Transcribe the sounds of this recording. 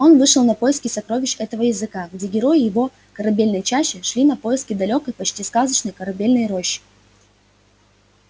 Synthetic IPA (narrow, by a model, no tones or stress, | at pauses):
o̞nvɨʂɨlˠnɐpo̞jɪskʲɪsɐkɾo̞vʲɪɕɛt̪əvəjɪzɨkaɡdʲeɡʲɪɾo̞jɪjɪvo̞ | kəɾɐbʲelʲnəjt͡ɕaɕːɪʂlʲinɐpo̞jɪskʲɪd̪ɐlʲo̞kəjpɐt͡ɕtʲiskazət͡ɕnəjkəɾɐbʲelʲnɨjɾo̞ɕːɪ̥